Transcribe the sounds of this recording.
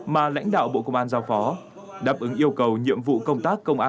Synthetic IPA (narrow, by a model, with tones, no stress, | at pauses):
maː˨˩la̰˧˥jŋ̟ɗa̰ː˧˨wɓo̰˧˨kə˧wŋ͡mʔaː˧nzaː˧wfɔ˨˦ | ɗaː˦˥p̚ʔɨ˨˦ŋʔi˧əwkə˨˩wɲḭ˧˨əmvṵ˧˨kə˧wŋ͡mt̪aː˦˥kːə˧wŋ͡mʔaː˧